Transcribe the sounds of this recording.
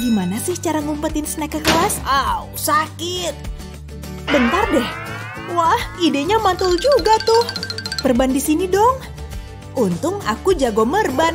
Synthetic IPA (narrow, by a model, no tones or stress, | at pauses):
ɡimanasɪht͡ʃaɾaŋumpət̪ɪnsənakəkəlasawsakɪt̪̚ | bənt̪ardɛh | wahideɲamant̪ɔld͡ʒuɡat̪ʊhpərbandisinidɔŋ | ʔunt̪ʊŋa̰kud͡ʒaɡɔmərban